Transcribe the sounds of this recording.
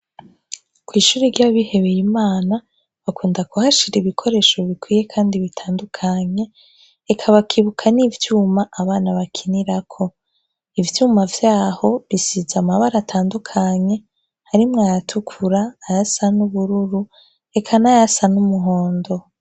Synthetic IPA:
kwiːʃuːɾiɾɟaβihe̞βe̞jimaːna | βakuːndakuhaʃiɾeβikʰo̞ɾe̞ːʃo̞βikwiːje̞kʰaːndiβitʰaːndukʰaɲe̞ː | kʰaβakʰiβukʰanivjuːmaaβaːnaβakʰiniɾakʰo̞ | ivjuːmavjaːho̞βisizamaβaɾatʰaːndukʰaɲe̞ | haɾimŋajatʰukʰuɾaːjasanuβuɾuɾu | ekʰanajasanumuɦo̞ːndo̞

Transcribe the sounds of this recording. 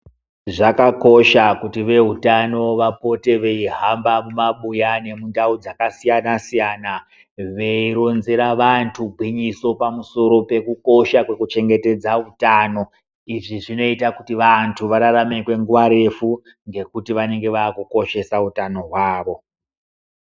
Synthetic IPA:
ʐakako̞ʃakutiʋe̞ɦutano̞ʋapo̞te̞ʋe̞iɦambamumaɓujane̞mundaud͡zakasijanasijana | ʋe̞iɾonzeɾaʋantʰuɡʱwiɲiso̞pamuso̞ɾo̞pe̞kuko̞ʃakwe̞kut͡ʃe̞ŋɡe̞te̞d͡zautaːno̞ | iʐiʐino̞itakutiʋantʰuʋaɾaɾame̞kwe̞ŋɡuʋaɾe̞fu | ŋɡe̞kutiʋane̞ŋɡe̞ʋaːkuko̞ʃe̞sautano̞ɦwaːʋo̞

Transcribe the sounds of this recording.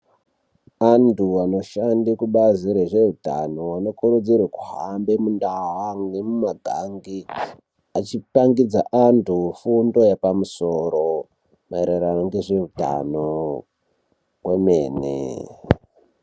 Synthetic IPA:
antuano̞ʃandikuɓaziɾeʐe̞ruta̰no̞wano̞kuɾud͡zirwekuɦambe̞mundaɦaŋemumaɡʱaŋɡi | at͡ʃipaŋɡid͡zaʔantʰufundo̞japamuso̞ɾo̞ | maeɾeɾanoŋɡe̞ʐe̞ruta̰no | wemeːnḛ

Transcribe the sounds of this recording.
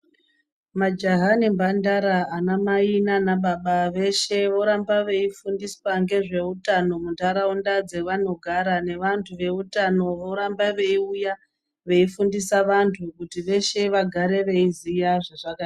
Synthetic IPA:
mad͡ʒaɦanembandaɾaːnamainanaɓaɓaʋe̞ʃe̞ʋo̞ɾambaʋe̞ifundiswaŋɡe̞ʐe̞utano̞muntʰaɾaundad͡ze̞ʋano̞ɡʱaɾane̞ʋantʰuʋe̞utano̞ʋo̞ɾambaʋe̞iuja | ʋe̞ifundisaʋantʰukutiʋe̞ʃe̞ʋaɡʱaɾe̞ʋe̞izijaʐeʐakaa

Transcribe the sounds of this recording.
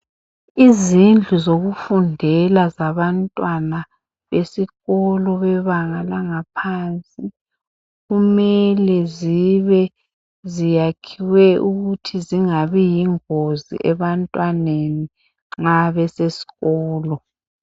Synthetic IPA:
izind͡ɮʱuzoɣufundʱɛlazaβantʼwana | βesiɣɔlɔβɛβaŋalaŋapʰaːnt͡sʼi | ɣumɛlɛziβɛ | zijakʰiwɛʔuɣutʰiziŋaβijiŋozḭʔɛβantʼwaneni | ŋ͡ǁŋ͡ǁaβɛsesi̥ɣɔːlɔ

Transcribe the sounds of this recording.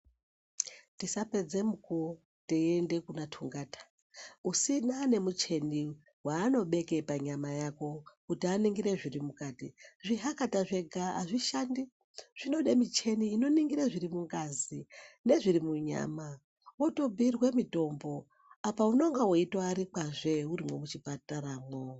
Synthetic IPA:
tisape̞d͡ze̞muko | teende̞kunatʰuŋɡaːtḁ | usinane̞mut͡ʃe̞ni | waːno̞ɓe̞ke̞paɲamajako̞kutianiŋɡiɾe̞ʐirimukaːtḭʐiɦakataʐe̞ɡʱaa̰ʐiʃandi | ʐ̥ino̞ɗemit͡ʃe̞niːno̞niŋɡiɾaʐirimuŋɡazine̞ʐiɾimuɲa̰ːma | woto̞bʱirwe̞mito̞mbo̞ | apauno̞ŋɡawoitaaɾik͡paʐe̞uɾimwo̞mut͡ʃipataɾaːmo

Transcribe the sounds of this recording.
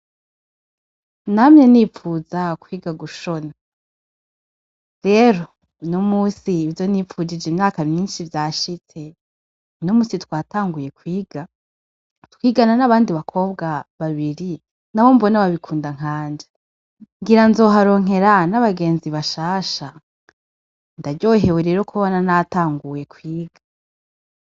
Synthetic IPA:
namɲeniːfuːzakwiːɡaɡuʃona | ɾe̞ːɾo̞ | nomuːsiːvjo̞niːfud͡ʒid͡ʒimɲaːkamɲiːnʃivjaːʃit͡se̞ | nomuːsitwaːtaːŋɡuje̞kwiːɡ̥a | twiːɡananaβaːndiβakʰo̞ːb̚ɡaβaβiɾi | naβo̞mbo̞naβaβikʰuːndaŋ̥aːnd͡ʒḁ | ŋɡiɾanzo̞ːɦaɾo̞ŋ̥ɦe̞ɾanaβaɡe̞ːnziβaʃaːʃa | ndaɟo̞ːɦe̞weɾe̞ːɾo̞kʰuβonanataːŋɡuje̞kwiːɡ̥a

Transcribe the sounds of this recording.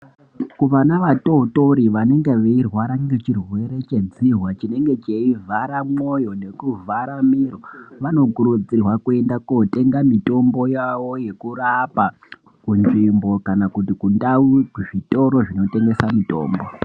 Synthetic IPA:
kuʋanaʋatouto̞ɾiʋane̞ŋɡe̞ʋeirwaɾaŋɡe̞t͡ʃirwe̞ɾe̞t͡ʃe̞d͡zirwat͡ʃine̞ŋɡe̞t͡ʃeivʱaɾamo̞jo̞ne̞kuvʱaɾamiroʋano̞kuɾud͡zirwakue̞ndakote̞ŋɡamito̞mbo̞jaʋo̞je̞kuɾapa | kunʐimbo̞kanakutikundauuʐito̞ɾo̞ʐino̞te̞ŋɡe̞samito̞̰ːmbo̞

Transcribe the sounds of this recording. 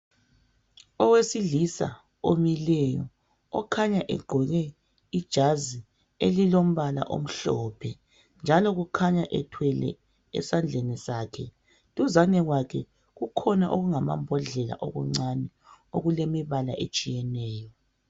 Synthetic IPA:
ɔwesiɮisa̰ | omilɛjɔ̰ | ɔkʰaɲaʔɛɡ͡ǃʱɔɣɛ | id̥ʒ̥ʱazi | elilom̩βala̰ʔo̰m̩ɬɔːpʰɛ | nd͡ʒʱalɔɣukʰaɲaʔɛtʰwɛlɛ̰ | ɛ̰sand͡ɮʱenisaːkʰɛ | tʼuzanɛɣwakʰɛ | ɣukʰɔnaʔoɣuŋama̰mbʱɔɮɛla̰ʔoɣuŋ͡ǀanɛ | oɣulemiβala̰ʔet͡ʃʼijɛnɛːjɔ

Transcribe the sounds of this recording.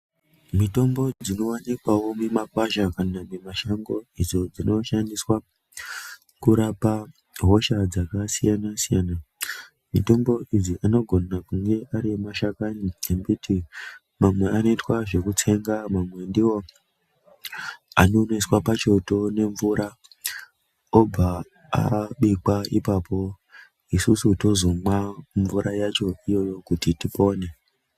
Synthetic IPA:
mito̞mbo̞d͡zd͡zino̞wanikwawo̞memakwaʃakanamemaʃaŋɡo̞id͡zo̞d͡zino̞ʃandiswa | kuɾapa | ɦo̞ʃad͡zakasijanasijana | mito̞mbo̞ʔid͡ziʔano̞ɡʱo̞nakuŋɡe̞ʔaɾimaʃakaniembutʰi | mamwe̞ano̞itwaʐe̞kut͡se̞ŋɡamamwe̞ndiwo̞ | a̰no̞neswapat͡ʃo̞to̞ne̞ɱvuɾʔa | ob͡va | a̰ɓikwaipapo̞ | isusuto̞zo̞mwaɱvuɾʔajat͡ʃo̞ijo̞jo̞kutitipo̞ːne̞

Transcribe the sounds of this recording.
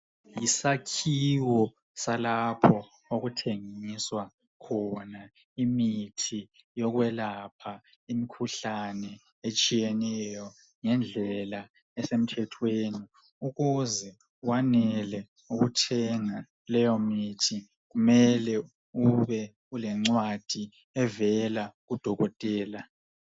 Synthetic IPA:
jisakʰiwɔ | salapʰɔ | oɣutʰeŋiswa | kʰɔna | imitʰi | jɔɣwɛlapʰa | imikʰuɬanɛ | et͡ʃʼijɛnɛjɔ | ŋɛnd͡ɮʱɛla | ɛsem̩tʰɛtʰweːni | uɣuzɛ | wanɛlɛ | uɣutʰɛŋa | lɛjɔmitʰi | ɣumɛlɛ | uβɛ | ɣulɛŋ͡ǀwad̥ʱi | ɛvɛlaɣud̥ʱɔɣɔtʼɛːla

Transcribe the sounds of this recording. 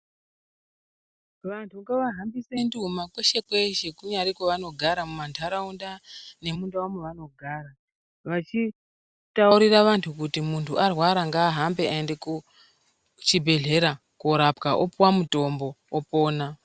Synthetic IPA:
ʋantʰuŋɡaʋaɦambisendiumakweʃe̞kweʃe̞kuɲaɾikwoʋano̞ɡʱaɾamumantʰaɾaundane̞mundawameʋano̞ɡʱaːɾa | ʋat͡ʃi | tauɾiraʋantʰukutimuntʰuarwaɾaŋɡaːɦambe̞aendeku | t͡ʃibʱe̞ɮe̞ɾa | koɾapkaʔopwamuto̞mbo̞opo̞ːna

